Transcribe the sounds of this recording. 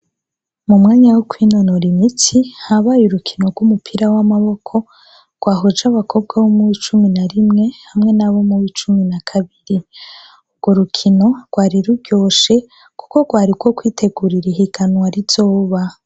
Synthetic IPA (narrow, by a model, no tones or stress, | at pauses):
mumŋaːɲawokwiːnonoɾimit͡sihaβajuɾukʰino̞ɡwumupʰiɾawamaβo̞kʰo̞ | ɡ̥waːɦod͡ʒaβakʰo̞b̚ɡaβomuwit͡ʃuminaɾimŋe̞hamŋe̞naβo̞muɾiːt͡ʃuminakʰaβiɾi | ub̚ɡo̞ɾukʰino̞ɡ̥waːɾiɾuɾɟo̞ːʃe̞ | kuko̞ɡwaːɾiɡwo̞kwiːtʰe̞ɡuɾiɾiɦiɡanwaɾiz̥o̞ːβa